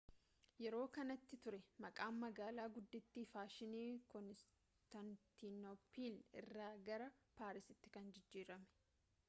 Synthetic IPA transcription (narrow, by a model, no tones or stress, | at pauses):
jɛɾo̞ːkɐnɐt̪ːɪt̪ʊɾɛmɐkʼaːnːɐɡaːlaːɡʊd̪ːɪt̪ːiːfaːʃɪniːkɔnɪs | t̪ɐnt̪inɔpiːlɪ̰rːaːɡɐɾɐpaːɾɪsɪt̪ːɪ̥kɐnd͡ʒɪd͡ʒːiːɾɐmɛ̥